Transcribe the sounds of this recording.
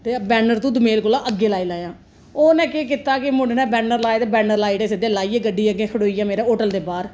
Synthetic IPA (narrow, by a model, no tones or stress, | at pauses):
t̪eːbɛːnəɾt̪ũːd̪ʊmeːlkoːlãːʔəɡːeːlaːiːlaːjãː | oːnɛ̃ːkeːk̬ɪt̪ːaːkɪmʊɳɖnɛ̃ːbɛːnəɾlaːeːt̪eːbɛːnəɾlaːiːʈeːsɪd̪eːlaːiːeːɡəɖiːəɡeːkʰəɽoːiːjãːmeːɾɛːoːʈəld̪eːbaːɾ